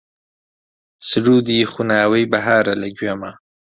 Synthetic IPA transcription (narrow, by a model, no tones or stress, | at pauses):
sɾud̪ixunaːwəjbaɦaːɾalaɡwama